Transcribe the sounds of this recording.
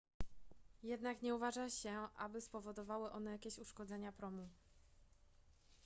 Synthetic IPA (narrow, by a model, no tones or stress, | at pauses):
jɛd̪nakɲɛuvaʐaɕɛʔa̰bɘspɔvɔd̪ɔvawɘʔɔnɛjakʲeɕuʂkɔd̪zɛɲapɾɔmu